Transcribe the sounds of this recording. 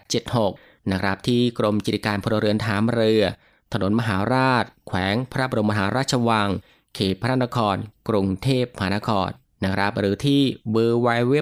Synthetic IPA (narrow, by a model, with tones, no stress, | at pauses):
t͡ɕe˨˩t̪̚ho˨˩k̚ | na˦˥kʰɾa˦˥p̚t̪ʰiː˥˩kɾo˧mt͡ɕːɾi˧˩kaː˧npʰo˧na˧ɾɯ˧˩ənt̪ʰaː˩˦mɾɯ˧ɐ | t̪ʰa˧no˨˩˦ənma˧ɦaː˩˦ɾaː˥˩t̪̚kʰwɛː˩˦ŋpʰa˧ɾa˦˥ba˧o˧ma˧ɦaː˩˦ɾaː˥˩t̪̚t͡ɕʰa˧waː˧ŋ | kʰeː˨˩pʰːa˧ɾa˥˩na˧˥kʰɔː˧nkɾu˧ŋt̪ʰeː˥˩p̚ma˧ɦaː˩˦na˧˥kʰɔː˧nːa˦˥kʰɾa˦˥p̚ɾɯː˩˦t̪ʰiː˥˩wɯː˧wa˧jwe˦˥